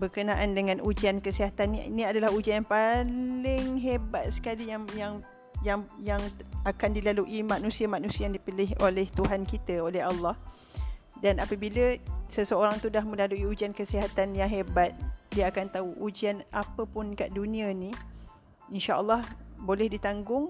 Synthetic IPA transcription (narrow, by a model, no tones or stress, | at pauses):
bərkənãʔandəŋãnud͡ʒiankəsiɦat̪anːiinĩadalahud͡ʒiajaŋpalɪŋɦebat̪̚sə̥kalijaŋjaŋ | jaŋjaŋakandilaluʔimanũsiamanũsiəjaŋdipilɪɦʔolɛht̪uɦankit̪əolɛɦɑlːɑh | danapəbiləsəsəoɾaŋt̪udahmə̃laluiud͡ʒiankəsiɦat̪anjaŋɦebat̪̚diəakant̪auʔud͡ʒianʔapəpʊnkaʔdunĩənĩ | inʃaʔə̰lːɑhbolɛhdit̪aŋɡʊŋ